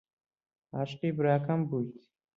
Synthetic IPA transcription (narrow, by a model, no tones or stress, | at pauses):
aʃqibɾaːkɐmbujt̪